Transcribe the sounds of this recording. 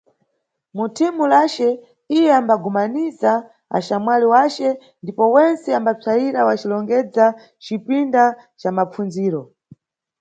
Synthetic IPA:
mutʰimulat͡ʃɛ | ijɛambaɡumaniza | a̰ʃamwaliwat͡ʃɛ | ndipɔwɛnt͡sɛambat͡sʰajiɾawat͡ʃilɔŋɡɛd͡za | t͡ʃipindat͡ʃamap͡funziːɾɔ

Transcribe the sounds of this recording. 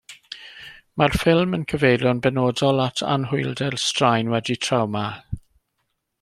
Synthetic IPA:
marfɪlˠmənkʰəvejlˠjɔnbɛnoːdɔlˠatʰa̰nɦʊjlˠdɛlstrajnwɛditʰrawma

